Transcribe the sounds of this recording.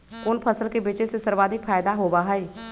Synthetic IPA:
kʊnpʰəsəlkeːbɪt͡ʃeːsesəɾbaːd̪ɪkpʰaːjd̪aːɦoːbaːɦaiː

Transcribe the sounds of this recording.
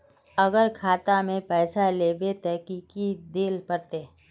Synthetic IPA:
əɡəɾkʰaːt̪amẽpɛːsaleːbet̪ɛɦkikid̪eːlpəɾt̪eː

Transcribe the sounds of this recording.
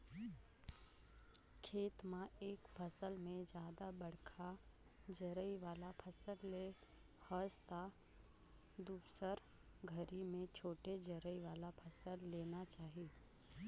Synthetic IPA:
kʰeːt̪mãeːkpʰəsəlmẽd͡ʒjaːd̪abɐɽkʰa | d͡ʒəɾəiʋaːlapʰɐsəlle | həst̪a | d̪uːsəɾ | ɡʱəɾimẽt͡ʃʰoːʈed͡ʒəɾəiʋaːlapʰɐsəlːeːnat͡ʃaːɦieː

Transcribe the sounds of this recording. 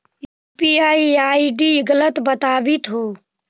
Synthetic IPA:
ju | piaːiaːiɖiɪɡələt̪bət̪aːbit̪ɦoː

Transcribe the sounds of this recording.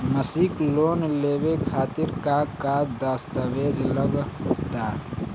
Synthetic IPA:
məsiklonlebekʰaːt̪iɾkakad̪əst̪əbed͡ʒləɡt̪a

